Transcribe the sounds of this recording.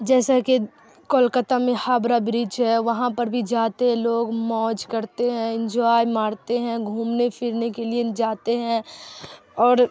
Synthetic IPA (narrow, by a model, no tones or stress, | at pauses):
d͡ʒɛːsaki | koːlkət̪amẽhaːbɾabɾiːt͡ʃɦɛːʋɐɦãpɐɾbʱid͡ʒaːt̪eɦɛ̃loːɡmɔːd͡ʒkɐɾt̪eɦɛ̃ɪ̃nd͡ʒɔːjmaːɾt̪eɦɛ̃ɡʱuːmnepʰɪɾnekelied͡ʒaːt̪eɦɛ̃ | ɔːɾ